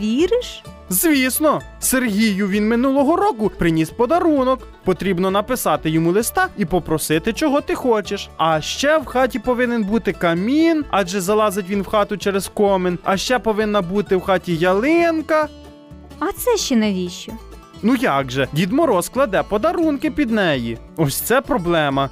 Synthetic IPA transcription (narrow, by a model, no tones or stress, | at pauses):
ʋʲiɾɪʃ | zʋʲisnɔ | serɦʲijʊʋʲinmɪnulˠɔɦɔɾɔkʊpɾɪnʲispɔd̪ɐɾunɔk | pɔt̪ɾʲibnɔnɐpɪsɑt̪ɪjɔmulˠɪst̪ɑipɔpɾɔsɪt̪ɪt͡ʃɔɦɔt̪ɪxɔt͡ʃeʃɐʃt͡ʃɛwxɑtʲipɔʋɪnenbut̪ɪkɐmʲinɑʒɛzɐlˠɑzɪtʲʋʲinwxɑt̪ʊt͡ʃɛɾez̥kɔmɪnɐʃt͡ʃɛpɔʋɪnːɐbut̪ɪwxɑtʲijɐlˠɪnkɐ | ɐt̪sɛʃt͡ʃɛnɐʋʲiʃt͡ʃɔ | nujɑɡʒɛdʲid̪mɔɾɔsklˠɐd̪ɛpɔd̪ɐɾunkɪpʲid̪nɛji | ɔsʲt̪sɛpɾɔblˠɛmɐ